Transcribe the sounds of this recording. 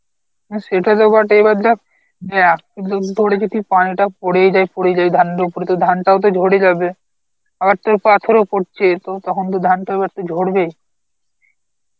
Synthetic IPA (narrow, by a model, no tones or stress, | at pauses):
ʃeʈat̪obaʈeebaɾd̪a | bead̪od̪ʱoɽed͡ʑit̪ipaniʈapoɽejd͡ʑajpoɽed͡ʑajd̪ʱanɖopoɾet̪od̪ʱanʈaot̪̬od͡ʑʱoɽed͡ʑabe | abaɾt̪oɾpat̪ʰoɾopoʈt͡ɕʰet̪ot̪ɔkʰont̪̬od̪ʱanʈaebaɾt̪od͡ʑʱoɽbej